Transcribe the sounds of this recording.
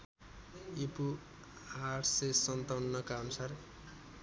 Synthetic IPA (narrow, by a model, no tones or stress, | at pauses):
ipu | arsesʌnt̪ʌwnːʌkaʌnusar